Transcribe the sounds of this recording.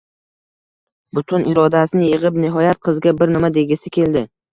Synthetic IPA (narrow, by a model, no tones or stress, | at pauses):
bʊt̪ʰʊnʔɪɾɒd̪asɪnɪjɨʁɨpnɪɦɒjat̪̚qʰɨzɡʲabɪɾnɪmad̪e̞ɡʲɪsɪkʲʰe̞ld̪ɪ